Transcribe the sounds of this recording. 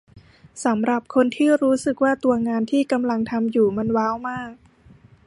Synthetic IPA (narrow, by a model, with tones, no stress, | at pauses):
sa˩˦mɾa˨˩p̚kʰo˧nt̪ʰiː˥˩ɾuː˦˥sɯ˨˩k̚waː˥˩t̪u˧ɐŋaː˧nt̪ʰiː˥˩ka˧mla˧ŋt̪ʰa˧mjuː˨˩ma˧nwaː˦˥wmaː˥˩k̚